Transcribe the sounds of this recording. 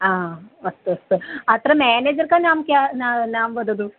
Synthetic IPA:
aːʋɐst̪ɨɐst̪ɨɐt̪ɾɐmaːneːd͡ʒɐɾkanaːmkʲjananaːmʋɐd̪ɐd̪u

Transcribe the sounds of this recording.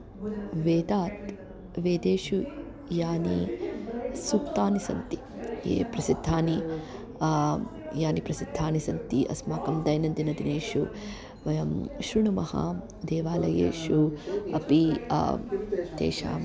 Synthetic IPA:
ʋeːd̪aːt̪ | ʋeːd̪eːʃu | jaːnḭ | sukt̪aːnisɐ̰nt̪i | jḛːpɾɐsid̪ʱːaːni | jaːnipɾɐsid̪ʱːaːnisɐnt̪iʔɐ̰smaːkɐmd̪ɐjnɐnd̪inɐd̪ineːʃu | ʋɐjɐmʃɾuɳumɐha̰ | d̪eːʋaːlɐjḛːʃuɐpi | t̪ḛːʃa̰ː

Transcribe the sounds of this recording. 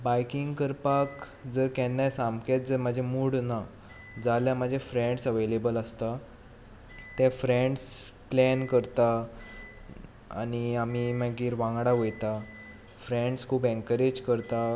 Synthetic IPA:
bajkiŋɡkəɾpak | d͡zəɾkɛnːasamket̪̚d͡zəɾmad͡ʑʱemuːɽna | d͡zaljam̤əd͡ʑʱefɾẽɳɖsəʋelebələst̪a | t̪ɛfɾẽɳɖsplɛnkəɾt̪a | a̰ñiam̤imaɡiːɾʋãŋɡɽaʋojt̪a | fɾẽɳɖskʰuːpẽŋkəɾed͡ʑkəɾt̪a

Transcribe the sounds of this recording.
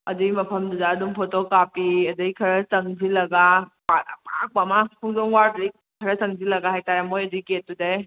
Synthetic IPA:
ɐdɯjmɐpʰɐmduzaːdumpʰotokapiɐdɯikʰɐɾɐsɐŋzilɐɡapatapak̚pamakʰuŋzɔŋwaɾdɾij̚ | kʰɐɾɐsɐŋzilɐɡahajtaɾamojɐduiket̚ːudaj

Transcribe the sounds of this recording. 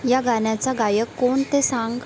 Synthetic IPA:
jaɡaɳjat͡saɡajəkːoɳt̪esãŋɡ

